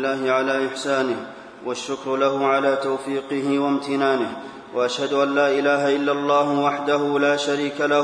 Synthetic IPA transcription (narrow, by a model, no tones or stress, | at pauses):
lːaːhɪʕalaːʔɪħsaːnɪh | waʃːʊkɾlahʊʕalaːt̪awfiːqɨhɪwamt̪ɪnaːnɪh | waʔaʃhad̪ʊʔanːaːʔɪlaːɦaʔɪlːalˤːɑːhʊwaħd̪aɦʊlaːʃaɾiːkala